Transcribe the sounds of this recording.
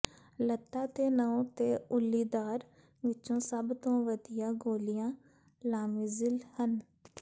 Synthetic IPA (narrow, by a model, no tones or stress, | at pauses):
lət̪ːaːt̪eːnəõːt̪eːʊlːiːd̪aːɾ | ʋɪt͡ʃõːsəbt̪õːʋəd̪ɪjaːɡoːlɪjãː | laːmɪzɪlhən